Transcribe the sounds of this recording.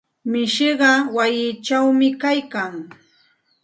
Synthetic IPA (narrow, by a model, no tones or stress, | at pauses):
mɪʃɪɢɑwajɪt͡ʃawmɪkajkaŋ